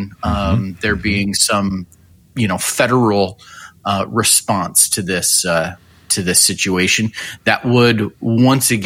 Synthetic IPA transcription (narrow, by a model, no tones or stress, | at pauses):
n | ðə˞biɪ̃ŋsʌ̃m | jɨnoʊfɛɾə˞l̩ˠ | ɹɨspɑ̃nstʰɨðɪs | tʰɨðɪsɪt͡ʃʉeɪʃɨ̃nðɨʔwəd̚wʌ̃nsɨɡ